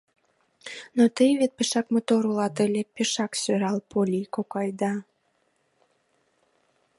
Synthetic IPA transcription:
not̪əjβet̪̚peʃɑkmot̪oɾulɑt̪əlʲepeʃɑksøɾɑlpolʲikokɑjd̪ɑ

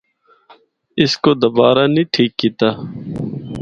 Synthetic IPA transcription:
ɪskoːd̪ɐbaːɾanĩːʈʰiːkːiːt̪aː

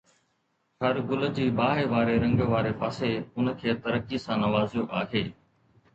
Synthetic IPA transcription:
hɐɾɡʊləd͡ʑiːbaːɦeʋaːɾeɾɐ̃ŋɡʋaːɾepaːseʊnkʰeːt̪ɐɾəkisãnɐʋaːzjoʔaːɦeː

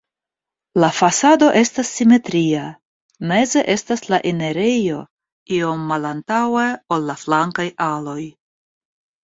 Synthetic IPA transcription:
lafasado̞ʔe̞stasːime̞tɾia | me̞ze̞ʔe̞staslaʔene̞ɾejo̞ | io̞mːalantaweo̞lːaflaŋkajʔalo̞j

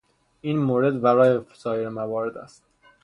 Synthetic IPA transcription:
ʔiːnmoːɾe̞d̪bæɾɒːjefsɒːjeɾemævɒːɾe̞d̪æ̰st̪̚

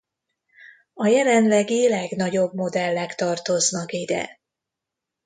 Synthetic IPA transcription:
ɒjɛlɛnlɛɡilɛɡnɒɟo̞bmo̞d̪ɛlːɛkt̪ɒrt̪o̞znɒkid̪ɛ̰

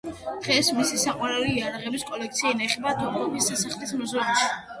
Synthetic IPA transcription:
d̪̥ʁɛsmisisaqʼwaɾɛuiijaɾaʁɛbiskʼɔlɛkt̪sʰiainaiχɛbat̪ʰɔpʰlɔbisasaχlismɔzɔniʃi

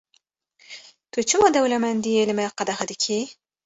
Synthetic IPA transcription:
t̪ot͡ʃumɑd̪awlamand̪ielmaqad̪axad̪ikʰi

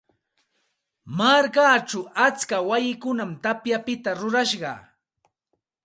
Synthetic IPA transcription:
maɾkaːʈ͡ʂaat͡skawajɪkʊnamt̪apjapɪt̪aɾʊɾaʃɢɑ̰

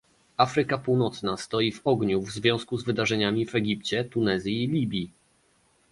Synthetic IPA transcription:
afɾɘkapuwnɔt̪snast̪ɔjivɔɡɲuvzvʲjɔ̃w̃skuzvɘd̪aʐɛɲamʲivɛɡʲipt͡ɕɛt̪unɛzʲjiːlʲibʲji

